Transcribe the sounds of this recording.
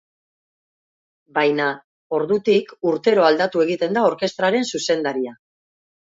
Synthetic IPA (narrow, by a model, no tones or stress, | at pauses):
bajna | o̞ɾðut̪ikuɾt̪e̞ɾo̞ald̪at̪ue̞ɣ̞it̪e̞nd̪ao̞ɾke̞st̪ɾaɾe̞nsuse̞nd̪aɾia